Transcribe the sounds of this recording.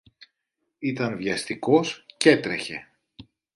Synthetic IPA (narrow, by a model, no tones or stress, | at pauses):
it̪ɐnvʝɐst̪iko̞sce̞t̪ɾeçe̞